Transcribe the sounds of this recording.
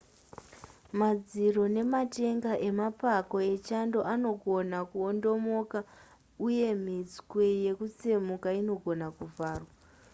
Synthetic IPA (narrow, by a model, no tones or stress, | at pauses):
mad͡ziro̞ne̞mate̞ŋɡaʔe̞mapako̞e̞t͡ʃando̞ʔano̞ɡʱo̞nakuondo̞mo̞ka | uje̞m̤id͡zkweje̞kuse̞mukaino̞ɡʱo̞nakuvaːrwa